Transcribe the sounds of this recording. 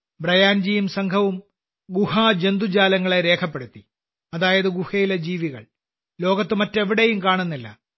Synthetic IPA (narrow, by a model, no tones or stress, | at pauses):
brɐjaːnd͡ʑijumsɐŋkʰɐʋum | ɡuhaːd͡ʑe̞nd̪ud͡ʑaːlɐŋːɐɭeɾe̞ːkʰɐp̬ːeɽut̪ːi | ɐðaːjɐðɨɡuhɐjiled͡ʑiːʋiɣɐ̰ɭ | lo̞ːɡɐt̪ːɨmɐtːe̞ʋiɽejumkaːɳunːilːɐ̰